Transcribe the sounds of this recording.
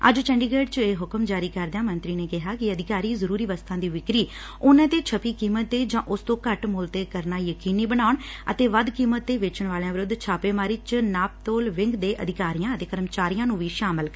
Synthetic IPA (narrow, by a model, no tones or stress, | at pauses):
ə̰d͡ʒt͡ʃɛ̃ːɳɖiːɡeːɖt͡ʃeːɦʊkəmd͡ʒaːɾiːkəɾd̪ãːmənt̪ɾiːneːkɪɦaːkɪəd̪ɪkaːɾiːzəɾuːɾiːʋəst̪ʰãːd̪iːʋɪkɾiː | ʊnãːt̪eːt͡ʃʰəpiːkiːmət̪ːeːd͡ʒãːʔʊst̪õːkəʈmʊːlt̪eːkəɾnaːjəkiːniːbəɽaːʊɳə̰t̪eːʋəd̪kiːmət̪ːeːʋeːt͡ʃəɳ̃ʋaːljãːʋɪɾʊd̪t͡ʃʰaːpeːmaːɾiːt͡ʃnaːp̚t̪oːlʋɪŋɡd̪eːʔəd̪ɪkaːɾijãːət̪eːkəɾəmt͡ʃaːɾijãːnũːʋiːʃaːmɪl